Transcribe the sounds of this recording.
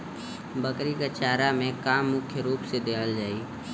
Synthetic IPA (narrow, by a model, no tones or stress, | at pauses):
bəkɾikat͡ʃaːɾamẽkaːmːʊkʰjəɾuːpsed̪eːkʰəld͡ʒaːi